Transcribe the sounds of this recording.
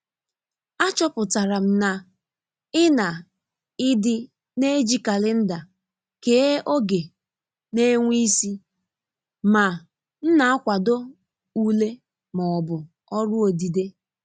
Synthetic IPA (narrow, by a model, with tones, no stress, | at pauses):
a˦t͡ʃɔ˦pʊ˨ta˨ɾa˨m̩˨na˨ | ɪ˦na˨ | ɪ˦dɪ˦ | ne˦d͡ʒi˦ka˨lɪ˦n̩˦da˨ | ke˨˦ʔo˦ɡe˨ | ne˦ŋʷi˦si˦ | ma˨ | n̩˦na˨a˦kʷa˨do˦ | u˦le˦ | mɔ˨ɔ˨bʊ˨ | ɔ˦ɾʊ˦o˨di˨de˦